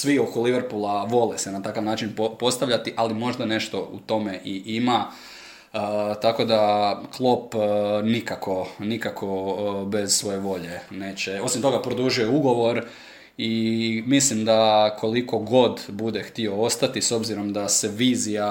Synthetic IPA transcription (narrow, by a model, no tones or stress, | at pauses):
sʋiokoliʋeɾpulˠaʋo̞lesenat̪akaʋnaːt͡ʃinppo̞st̪aʋʎat̪iʔalimo̞ʒd̪ane̞ʃt̪o̞ṵt̪o̞me̞ʔiʔima | ət̪ako̞d̪aklˠopnikakʰo̞nikakʰo̞be̞z̥sʋo̞je̞ʋo̞ʎe̞ne̞ːt͡ɕeo̞simt̪o̞ɡapɾod̪uʒujeuɡo̞ʋo̞ɾ | imislimd̪akʰo̞liko̞ɡo̞d̪bud̪e̞xt̪io̞o̞st̪at̪iso̞bziɾo̞md̪ase̞ʋiːzija